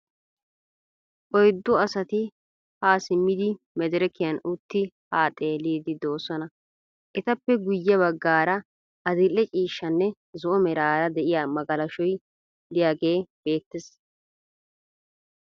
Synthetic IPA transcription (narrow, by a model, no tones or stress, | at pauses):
ʔɔjd̪ːʊɐsɐt̪ɪ | haːsɪmːɪd̪ɪ | mɛd̪ɛɾɪkɪjɐnʊt̪ːɪhaːt̪ʼeːliːd̪ɪd̪o̞ːsɔnɐ | ʔɛt̪ɐpːɛɡʊjːɐβɐɡːaːɾɐ | ʔɐd̪ɪlːɛt͡ʃʼiːʃːɐnːɛ | zʊʔɔmɛɾaːɾɐd̪ɛʔɪjamɐɡɐlɐʃɔj | d̪ɪjaːɡe̞ːb̥e̞ːt̪ːɛs